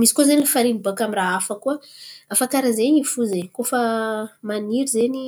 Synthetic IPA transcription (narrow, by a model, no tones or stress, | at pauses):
misi̥kozenilifaɾimibakamiraafakuəafakaɾazeɲifuzeɲkofəmaniɾizeni